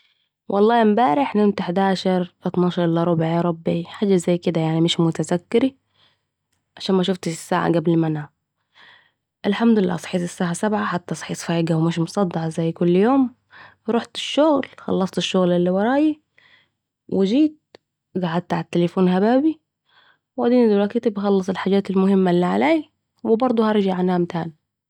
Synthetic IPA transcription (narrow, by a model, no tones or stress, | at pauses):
wʔɑlˤːɑːɪmbaːɾɪħnɪnt̪ɪħɪd̪aːʃɑɾˤfat̪nɑːʃɑɾˤʔɪlːaɾˤʊbʕiɾˤɑbʕiħaːd͡ʒːazajːkɪd̪ajaʕnimɪʃmʊt̪azakːɪɾi | ʕaʃaːnmaʃ̬ʊft̪ɪʃɪsːa̰ːʕa̰ɡablmana | ʔɪlħamd̪ʊlɪlːa̰ːsˤħiːt̪ˤɪsːaːʕasabʕaħat̪ːaʔsˤħiːsˤfaːɡawmɪʃmʊsˤɑd̪ːɑʕzajːkʊlːjoːm | ɾˤoħt̪ɪ̥ʃːʊɣlxɑ̰lːɑsˤt̪ɪʃːʊɣlɪlːiwɑɾˤɑːji | wʔɪd͡ʒiːt̪̚ | ɡaʕad̪̚t̪aʕatt̪ːɪlefuːnɦabaːbi | wad̪iːnid̪ʊɾˤɑkit̪ibxɑlːɑsˤɪlħaːd͡ʒaːt̪ɪlmʊhɪmːalːiːʕaleː | wɪbɑɾˤd̪ˤuhɑɾˤd͡ʒaʕanhamt̪aːn